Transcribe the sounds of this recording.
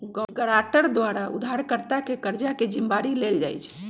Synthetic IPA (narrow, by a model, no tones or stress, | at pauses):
ɡəɽaʈəɾd̪ʋaɾaṵd̪ʱaɾkəɾt̪akekəɾd͡ʒaked͡ʒimbaɾileld͡ʒa̰jt͡ʃʰ